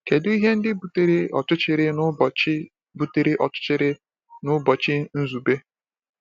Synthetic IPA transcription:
ke˨du˦i˦ɦe˦n̩˦dɪ˦bu˨te˦ɾe˦ɔ̰˨t͡ʃʊ˦t͡ʃɪ˨ɾɪ˦n˦˨ɪ˦ | bu˨te˨ɾɪ˦ʔɔ˨t͡ʃʊ̥˦t͡ʃɪ˦ɾɪ˦ | nʊ˦bɔ˨t͡ʃɪ˦n̩˦zu˨be˦

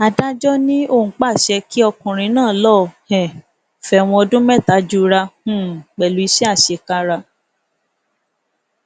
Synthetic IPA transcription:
a˧da˦d͡ʒɔ˦nĩ˦õ˧˨˦k͡pa˦˨ʃɛ˧ki˦ɔ˧kũ˨ɾ̃ĩ˧nãː˦˨lɔ˦˨hɛ̃˨ | fɛ˧˨w̃ɔ̃˧ɔ˧dũ˦mɛ˦˨ta˨˦d͡ʒu˦ɾa˧hũ˦˨k͡pɛ˨lu˨˦i˧ʃɛ˦a˦˨ʃe˧˨ka˦ɾa˧

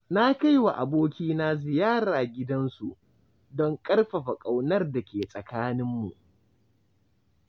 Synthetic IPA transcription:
na˦ka˦jwa˨ʔa˨boː˦kʲiː˦naː˦zɪ˨jaː˦ɾaː˨ɡʲɪ˦dɐ˦nsu˨ʔ | dɔ˦ŋkʼɐ˦rɸɐ˨ɸa˨kʼa˨wnɐ˦rda˨kʲeː˨sʼɐ˨kaː˦nɪ˦mːṵ˨ʔ

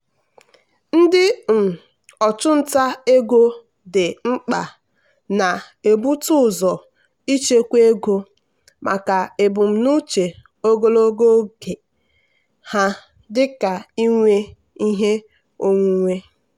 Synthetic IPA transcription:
n̩˦dɪ˦m̩˨ | ɔ˨t͡ʃʊ˦n̩˦ta˦e˦ɡo˦ | dɪ˨ŋ͡m̩˦k͡pa˨ | na˨ | e˨bu˦tʊ˦˨zɔ˨ | i˦t͡ʃe˦kʷe˦ɡo˦ | mʔa̰˨ka˨e˨bʊ˨m̩˨nu˦t͡ʃe˨ | o˦ɡo˦lo˦ɡo˦ɡe˨ | ha˦ | dɪ˦ka˨i˦ŋʷe˦ | i˦ɦe˦ | o˦ŋʷu˦ŋʷe˦

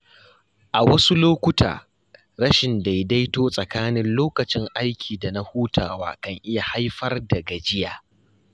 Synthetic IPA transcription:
ʔa˨wɐ˦su˦loː˦kʷʊ˦ta̰ː˨ | ɽɐ˦ʃɪ˨nda˨jda˦jtoː˦sʼɐ˨kaː˦nɪ˦nloː˦kɐ˨t͡ʃɪ˦ŋʔa˦jkʲʰiː˨da˨na˦huː˦tʰaː˨wa̰ː˦kɐ˨ŋʔɪ˦ja˨ha˦jɸɐ˦rdɐ˨ɡɐ˨d͡ʒɪ˦jaː˨

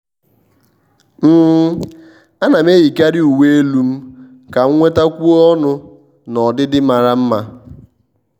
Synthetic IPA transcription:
m̩˦ | a˦na˨m˦e˦ji˨ka˦ɾɪ˦u˨we˦e˦lu˦m̩˦ | ka˨ŋ̩˦ŋʷe˦ta˦kʷu˦ɔ˦nʊ˦ | nɔ˨dɪ˦dɪ˦ma˨ɾa˦m̩˦ma˦

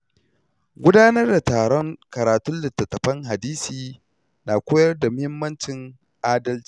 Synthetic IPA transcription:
ɡʷʊ˦daː˦nɐ˦rda˨taː˨ɽɔ˦ŋkɐ˨ɾaː˨tʊ˦nlɪ˨tːɐ˨tːɐ˨ɸɐ˦ŋɦa˨diː˦siː˨ | naː˨kʷoː˦jɐ˦rda˨mʊ˦hɪ˦mːɐ˦nt͡ʃɪ˨ŋ | ʔaː˦dɐ˦lt͡ʃi̥˦˨

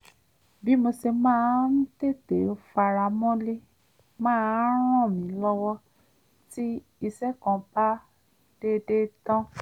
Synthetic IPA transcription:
bi˨˦mo˧se˧mãː˦˧˦n̩˦te˦˨te˨o˦fa˧ɾa˧˨mɔ̃˦le˦ | mãː˦ɾ̃ɔ̃˦˨mĩ˨˦lɔ˦wɔ˦ | ti˦ | i˧sɛ˦kɔ̃˨˧˨ba˦ | d̥e˦de˦tɔ̃˦

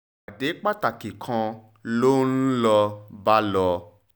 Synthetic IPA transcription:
a˨de˨˦k͡pa˦ta˨ki˨kʰã˧ | lo˦n̩˦lɔ˧ba˦lɔ˧

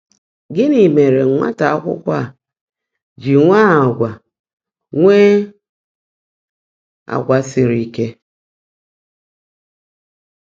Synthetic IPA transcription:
ɡɪ˦ni˨me˨ɾe˨˦ŋʷa̰˦ta˨a˦kʷʊ̰˦kʷa˦˨ | d͡ʒi˨ŋʷa˦a˨ɡʷa˨ | ŋʷe˦ | a̰˨ɡʷa˨si˨ɾi˦ke˦

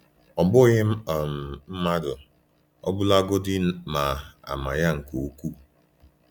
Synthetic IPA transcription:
ɔ˨bʊ˦ɣɪ˦m̩˦˨m̩˨m̩˦ma˦dʊ˨ | ɔ̰˦bʊ˦la˦ɡo˦dɪ˦ma˨a̰˨ma̰˨ja˦ŋ̩˨ko˨˦kʷu˦˨

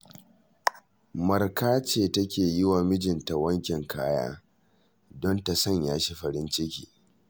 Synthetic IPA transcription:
mɐ˨rkaː˦t͡ʃeː˨tɐ˦kʲeː˨jɪ˦waː˨mɪ˦d͡ʒɪ˨nta˨wɐ˦ŋkʲɛ˨ŋkaː˦ja̰ː˦ | dɔ˦nta˨sɐ˦˨ɲjaː˦ʃi˦ɸɐ˨ɾɪ˦nt͡ʃɪ˦kʲiː˨

